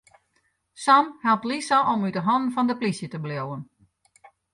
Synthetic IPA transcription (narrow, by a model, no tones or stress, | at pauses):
samhɛlˠp̚tlisaʔomydəɦɔnn̩fɔndəplisjətəbljowən